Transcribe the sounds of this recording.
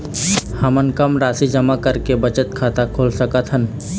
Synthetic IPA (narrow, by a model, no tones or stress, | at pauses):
hɐmənkəmɾaːsid͡ʒɐmakɐɾkebɐt͡ʃət̪kʰaːt̪akʰoːlsəkət̪ɦən